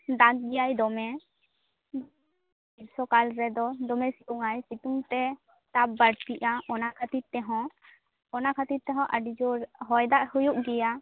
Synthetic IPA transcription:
d̪aɡ̚ɡɛjajd̪ɔmɛ | biɾsɔkalɾɛd̪ɔd̪ɔmɛsikuŋajsit̪uŋt̪ɛ | t̪abbəɽt̪iʔaʔɔnakʰat̪itt̪ːɛɦɔ̃ | ɔnakʰat̪it̪t̪ːɛɦɔ̃ʔəɖid͡ʒɔɾɦɔjd̪aʔhujuʔɡɛja

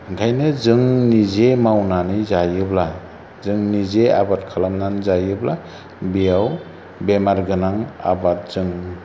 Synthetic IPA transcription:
ɡʱajnɯzɯŋnizemawnanizajɯbla | zɯŋnizeabat̚kʰalamnanzajɯbla | bijaw | bemaɾɡɯnaŋa̰bat̚z̥ɯŋ

